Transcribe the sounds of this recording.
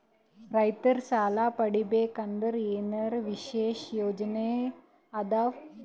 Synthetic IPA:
ɾɐjt̪ɐɾsaːlapɐɽibeːkɐnd̪əɾeːnɐɾʋiʃeːʃjoːd͡ʒne | ɐd̪aʋ

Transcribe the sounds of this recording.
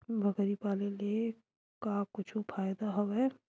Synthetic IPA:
bʱɐɡəɾipaːlele | kakʊt͡ʃʰupʰaːjd̪aɦoʋɛ

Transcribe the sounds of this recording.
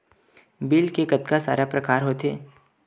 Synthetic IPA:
biːlkekɐt̪̚kasa̰ːɾapɾɐkaːɾɦoːt̪ḛː

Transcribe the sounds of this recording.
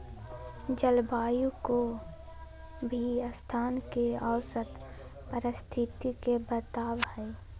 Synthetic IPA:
d͡ʒəlbaːjũko | bʱiəst̪ʰaːnkeaʊsət̪ | pəɾɪst̪ʰɪt̪ikebət̪aːbhɛe

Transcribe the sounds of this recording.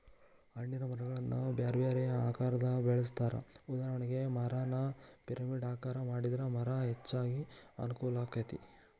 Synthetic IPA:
ɐɳːinɐmɐɾɐɡɐɭɐnːubjaːɾʋjaːɾɛjɐaːkaːɾɐd̪ɐbeɭɐs̬t̪aːɾɐ̰ud̪aːɦɐɳiɡe̞mɐɾaːnɐpiɾɐmiɖaːkaːɾɐmaːɽid̪ɐɾɐmɐɾɐɦet͡ʃːaːɡiɐ̰nukɔːlaːkɐt̪i

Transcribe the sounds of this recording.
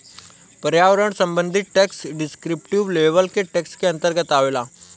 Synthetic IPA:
pɐɾjaːʋəɾəɽ̃sɐ̃mbə̃nd̪ʱɪt̪̚ʈeksɖɪskɾɪpʈiʋleːʋəlkeʈeːkskeɐ̃nt̪əɾɡət̪aːʋelaː

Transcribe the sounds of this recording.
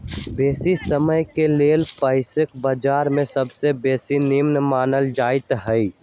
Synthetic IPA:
beːsisəməjkeleːlpəɪsɪkbəd͡ʒaːɾmẽsəbsebeːsinimnəmaːnəld͡ʒaːɪt̪ɦəi

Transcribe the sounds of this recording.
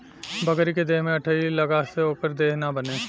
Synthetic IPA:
bɐɡɾiked̪eːɦmẽɐʈʰəilɐɡaseɦoːkəɾd̪eːɦnabɐneː

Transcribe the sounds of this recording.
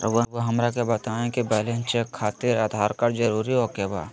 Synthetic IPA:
ɐ̰ʋʋoɦɐmɾakebɐt̪aːẽkibɛːlẽnt͡ʃekʰːaːt̪ɪɾaːd̪ʱaːɾkɐɾd͡ʒɐɾuːɾiɦoːkeba̰ː

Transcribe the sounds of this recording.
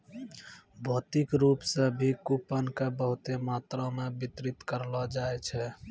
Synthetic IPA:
bʱot̪ikɾupsẽbʱikupənkebəɦut̪emat̪ɾɔmebit̪ɾit̪kəɾlɔd͡ʒaet͡ʃʰɛ

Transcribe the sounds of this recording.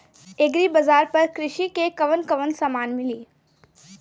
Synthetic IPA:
eːɡɾibəzaːɾpɐɾkɾɪʃikekɐʋənkɐʋənsamaːnmɪliː

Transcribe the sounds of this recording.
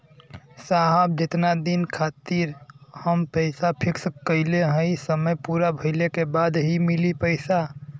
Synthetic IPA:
saɦəb̚d͡ʒɪt̪nad̪inkʰat̪iɾhəmpəɪsapʰɪkskəɪleɦə̃jsəməjpuɾabʱəɪlekebad̪ɦimilipəɪsa

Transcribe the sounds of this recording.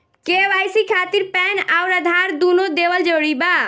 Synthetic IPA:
keʋajsikʰat̪iɾpɛnauɾəd̪ʱaɾd̪unod̪ebəld͡ʒoɽiba

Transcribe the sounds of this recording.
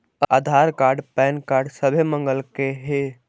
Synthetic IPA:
ad̪ʱaːɾkaːɾɖpɛːnkaːɾɖsəbʱemə̃ŋɡəlkeɦe

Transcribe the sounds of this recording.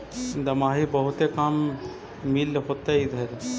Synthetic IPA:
d̪ɐmaːɦibəɦʊt̪ekamː | ilɦoːt̪eid̪ʱɐɾ

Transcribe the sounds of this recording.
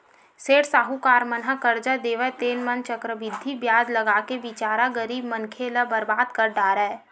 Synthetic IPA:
seːʈsaːɦukaːɾmənɦəkɐɾd͡ʒad̪eːʋət̪eːnmənt͡ʃəkɾəʋɪd̪ʱːibjaːd͡ʒlɐɡaːkeʋɪt͡ʃaːɾaɡəɾiːbmənkʰeləbɐɾbaːd̪kɐɾɖaːɾɛː

